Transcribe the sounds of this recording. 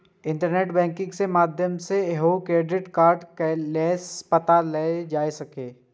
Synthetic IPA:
ɪ̃ɳʈəɾneːʈbɛ̃ːŋkɪ̃ŋɡsemaːd̪ʱjəmseɦokɾeːɖɪʈkaːɾɖkɛleːspɐt̪aleed͡ʒaːesɐkeː

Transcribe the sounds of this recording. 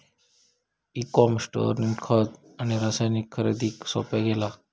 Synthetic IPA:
ikɔmsʈɔ̰ɾninkʰət̪aniɾasajnikʰːəɾḛd̪iksɔ̰pɛɡela

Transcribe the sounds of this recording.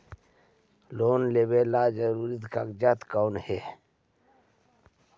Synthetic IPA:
loːnlebelaːd͡ʒəɾuɾit̪kakd͡ʒat̪kawnhe

